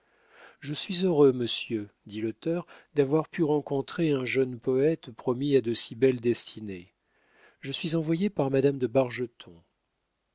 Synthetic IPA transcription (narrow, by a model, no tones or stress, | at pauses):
ʒəsɥizøʁøməsjød̪ilɔt̪œʁd̪avwaʁpyʁɑ̃kɔ̃t̪χeɛ̃ʒənpɔɛt̪pχɔmiad̪əsibɛld̪ɛst̪ʰine | ʒəsɥizɑ̃vwajepaʁmad̪amd̪əbaʁʒət̪ʰɔ̃